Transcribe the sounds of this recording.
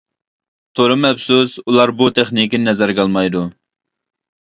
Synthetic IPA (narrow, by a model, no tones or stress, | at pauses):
t̪ʰoɾɨmɛpsusulˠɑɾbut̪ʰeχnikʲinnɛzæɾɡɑlˠmɑjd̪u